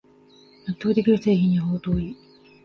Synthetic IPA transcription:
nat̪ːoːd̪e̞kʲiɾɯ̟se̞ːçĩɲ̟ːiɦoːt̪oːi

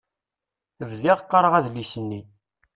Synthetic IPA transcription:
vðiʁqːəɾˤəʁæðlːisənːi

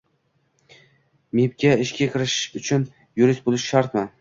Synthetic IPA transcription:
mep̚kʲaɪʃkʲakʲʰɪɾɪʃʊt͡ʃʰʊn | jʊɾɪst̪̚bolˠɪʃʃaɾt̪ma

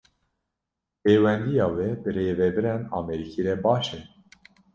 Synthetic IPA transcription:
peːwɛnd̪ijɑːwɛbɨɾeːvɛbɨɾɛnɑ̰ːmɛɾikʰiɾɛbɑːʃɛ

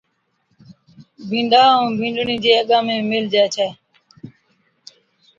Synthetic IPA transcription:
bʱĩːɳɖaːũːbʱĩːɳɖɳĩːd͡ʒeːəɠãːmẽːmɪld͡ʒɛːt͡ʃʰɛː

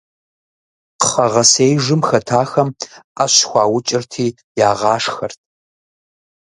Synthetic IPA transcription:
qəχɐʁɐsejʐɨmxɐtʰaːxɐmaːɕxʷɑːwʊt͡ʃʼɪrtʰiː | jaːʁɑːʂxɐrt̚ʰ

